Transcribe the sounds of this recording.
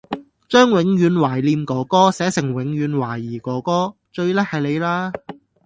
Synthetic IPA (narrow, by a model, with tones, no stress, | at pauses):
t͡ʃœː˥ŋwɪ˨˥ŋɥyː˨˧nwaː˨˩jliː˧mkɔː˨˧˥kɔː˥sɛː˨˥sɪ˨˩ŋwɪ˨˧ŋjyː˨˧nwaː˨˩jːiː˨˩kɔː˨˥kɔː˥ | t͡ʃɵ˧ɥlɛ˥hɐ˨jle˨˧jlaː˥